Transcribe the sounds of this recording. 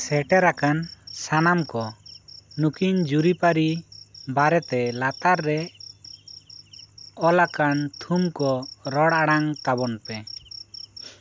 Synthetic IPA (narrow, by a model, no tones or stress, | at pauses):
sɛʈɛɾakansanamkɔ | nukiɲd͡ʒuɾipaɾibaɾɛt̪ɛlat̪aɾːɛ | ɔlakant̪ʰumkɔɾɔɽaɽaŋt̪abɔnpɛ